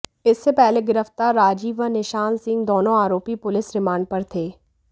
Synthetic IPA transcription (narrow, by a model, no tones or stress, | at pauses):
ɪsːepɛɦleɡɪɾəft̪aːɾːaːd͡ʒiːʋənɪʃaːnsɪ̃ŋɡd̪oːnõaːɾoːpipʊlɪsɾɪmaːɳɖ̚pɐɾt̪ʰeː